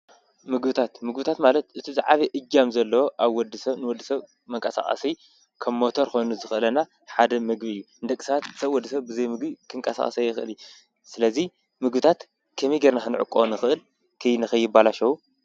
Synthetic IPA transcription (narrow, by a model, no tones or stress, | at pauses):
mɨɡbɨt̪ʰat̪mɨɡbɨt̪ʰat̪malɐt̪ʔɨt̪ʰizaʕaβiʔɨd͡ʒːamzɐlːɐwoʔaβwɔd̪ːɨsɐβnɨwɔd̪ːɨsɐβ | mɐŋkʼɐsa̰χʼɐ̰si | kʰɐβmot̪ʰoɾxo̞jnuzɨxɨʔɨlɐna | ħad̪ɐmɨɡbijːuɨnd̪ɐkʼːsɐβat̪ɨsɐβwɔd̪ːɨsɐβbɨzɐjmɨɡbikʰɨŋkʼɐsa̰χʼɐ̰sajːɪxɨʔɨlju | sɨlɐzi | mɨɡbɨt̪ʰat̪ | kʰɐmiɡeɾnaxɨnʕʊ̰kʼːonɨxɨʔɨl | kʰɨjnɨxɐjːɪbalaʃɐwu